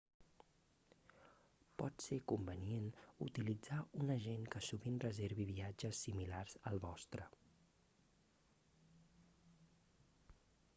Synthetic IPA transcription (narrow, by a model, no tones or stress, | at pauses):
pɔt̪sekumbənienṵt̪ilid͡zaunəʒeŋkəsuβinrəzeɾβiβiad͡ʒəsːimilarz̥əlˠβɔst̪ɾə